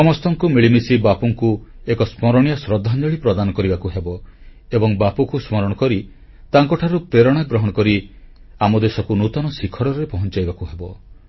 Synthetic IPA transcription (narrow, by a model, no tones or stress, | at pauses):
sɔmɔst̪ɔŋkumiɭimisibapuŋkuekɔsmɔɾɔɽ̃ijasɾɔd̪ʱand͡ʒɔɭipɾɔd̪anɔkɔɾibakuɦebɔ | ebɔŋbapukusmɔɾɔɽ̃ɔkɔɾi | t̪aŋkɔʈʰaɾupɾeɾɔɽ̃aɡɾɔɦɔɽ̃ɔkɔɾi | amɔd̪esɔkunut̪ɔnɔsikʰɔɽɔɾepɔɦɔnt͡ʃajbakuɦebɔ